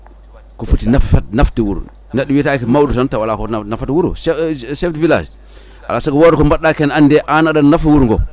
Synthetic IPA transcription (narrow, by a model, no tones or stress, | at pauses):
kofutinafatnaftiwuɾ̰ | nadiwitakimawudutantawalakonafatwuɾṵssefdvila̰d͡ʒ | a̰lasakowodkombaɗakenandeʔanadanafiwuɾŋɡo̰